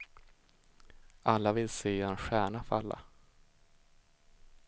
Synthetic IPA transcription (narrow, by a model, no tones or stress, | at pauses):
alːavɪlseːɛnɧæːɳafœalːa̰